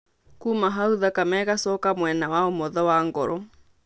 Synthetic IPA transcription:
kumaɦauðakamɛːɣasɔːkamwɛnawaomɔðɔwaːŋɡɔɾɔ

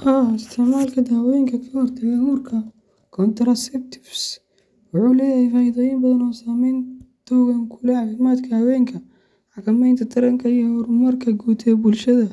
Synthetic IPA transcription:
ʔaːɪst̪ʰɪʕmaːlkʰɐd̪aːwɛŋkʰɐkʰɐhɔrt̪ʰɐɣɛhuːrkʰɐ | kʰɔnt̪ɾɐsɛk̚t̪ʰɪ̥fs | wʊħuːlɛːjɐjfaːiðɐjiːmbɐðɐnɔːsaːmɛjnt̪ʰɔwɣɐŋkʰulɛʕakɐmaːd̪kʰɐhɐwɛːŋkʰɐ | ħɑkɐmɛjnt̪ʰɐt̪ʰɐɾɐŋkʰɐijɔhʊɾmɐrkʰɐɡuːt̪ʰɛːbʊlʃɐðɐ

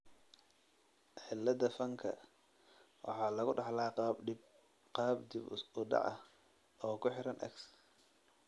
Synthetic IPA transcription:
ħɪlːɐðɐfɐŋkʰɐ̰ | wʔɑ̰ħɑːlɐɣʊɖɑħlaːqɑbɖɪb̚ | qɑːbd̪ɪbʊɖɑ̰ʕɐ | ʔɔːkʰʊħɪɾɐnʔɐ̰ks

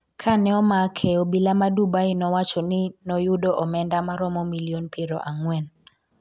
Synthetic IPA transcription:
kʰanɛɔmakʰɛobilamadubainɔwat͡ʃɔnɪnɔjudoʔɔmɛndamaɾɔmɔmilionpʰɪɾɔ̰ʔaŋwɛn

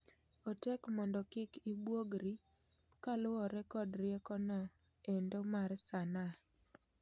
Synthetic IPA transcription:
otɛkmɔndɔkɪkibwoɡɾi | kalʊwɔɾɛkɔdɾɪɛkɔnɔ | endomarsana

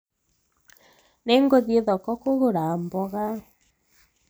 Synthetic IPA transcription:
neŋɡoðieðɔkɔkoɣoɾambɔɣa

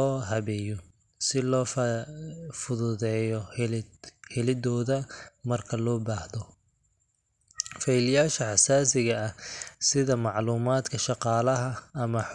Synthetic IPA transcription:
ɔːɦɐβɛːjɔ | sɪlɔː | fʊðʊðɛːjɔ | hɪlɪd̪ɔːðɐmɐrkʰɐlɔːbaːhðɔ | fɐilɪjaːʃɐħɑsaːsɪɣɐɐsɪðɐmɑʕluːmaːd̪kʰɐʃɑqɑːlɐɦɐːmɐ

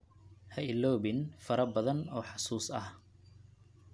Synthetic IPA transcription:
hɐɪlːɔːβɪnfɐɾɐbɐðɐnɔːħɑsuːsɐ̰h

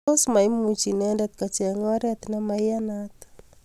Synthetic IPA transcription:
osmaimut͡ʃinɛndɛt̪kat͡ʃɛŋɔɾɛt̪namajanat̪

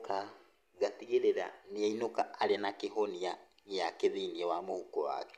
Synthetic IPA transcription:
ka | ɡatiɣeɾeɾaniainokaːɾenakeɦonia | jakeðiːniewamohukowa̰kɛ̥

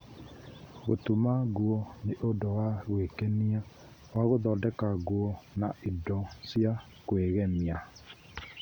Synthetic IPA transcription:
ɣo̰tumaɣwɔneʔodowaɣwekɛnia | waɣoðɔːdɛkaɣwɔna̰ʔidɔsja | kweɣɛmia

